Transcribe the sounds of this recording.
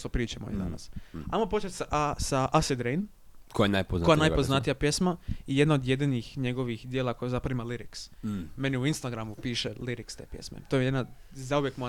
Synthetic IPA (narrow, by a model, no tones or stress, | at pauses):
t̪opɾiːt͡ʃemo̰ḭd̪a̰na̰sa̰jmopot͡ʃet̪sasaʔased̪ɾejn | kojanajpoznojanajpoznat̪ijapje̞smaijed̪naod̪je̞d̪inixɲe̞ɡo̞ʋixd̪jeːlakojazapɾaʋimaliɾiksme̞niuinst̪aɡɾamupiːʃeliɾikst̪eːpje̞̰smḛt̪ojejd̪na | zauʋjekmoa